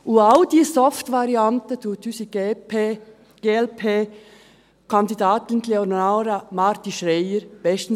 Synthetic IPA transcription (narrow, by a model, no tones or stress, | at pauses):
uaʊd̥iːsɔftʋɑɾiɑntətʰuːt̪ysi | ɡ̥eɛlpʰeː | kʰɑnd̪idɑːt̪ɪnkleonaɾamɑɾt̪iʃreɪəɾb̥ɛstn̩